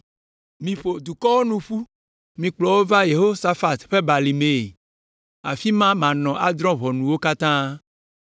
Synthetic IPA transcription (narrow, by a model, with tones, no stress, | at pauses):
mĩ˨ɸo˨d̪u˨kɔ˦wo˦nũ˨ɸu˦ | mĩ˨k͡plɔ˨wo˦va˦je˨ɦo˦sa˦fa˨t̪ɸe˦ba˨li˨me˨ | a̰˨fi˦mã˦mã˨nɔ̃˨ʔa˦d̪ɾɔ̃˦βɔ˨nũ˨wo˦ka˦t̪ã˦